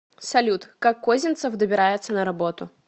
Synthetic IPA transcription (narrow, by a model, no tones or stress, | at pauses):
sɐlʲut̪kakːozʲɪnt̪səfd̪əbʲɪɾajɪt̪sənəɾɐbo̞t̪ʊ